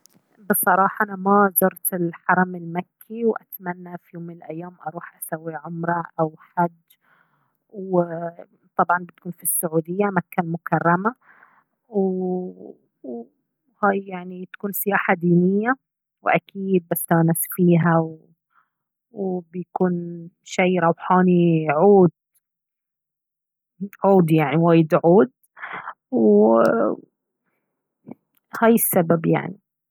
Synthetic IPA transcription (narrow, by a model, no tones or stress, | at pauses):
bɨsˤɑɾˤɑːħɑʔanamazʊɾt̪ɪlħɑɾˤɑmɪlmakʰːiwʔat̪manːafijoːmːɪnɪlʔajːaːmʔɑɾˤuːħʔasawːiʕʊmɾˤɑʔawħad͡ʒː | ww | t̪ˤɑbʕɑnbɪt̪kuːnfisːʊʕuːd̪ɪjːamakːalmʊkɑrˤːɑma | w | haːjjaʕnit̪ḁkuːnsɪjaːħad̪iːnɪjːa | wʔakʰiːd̪̚basːanasfiːɦaw | wbɪjakuːnʃajɾˤɑwħɑːniʕuːd̪̚ | ʕuːd̪jaʕniwaːjɪd̪ʕuːd̪̚ | w | haːjɪsːababja̰ʕni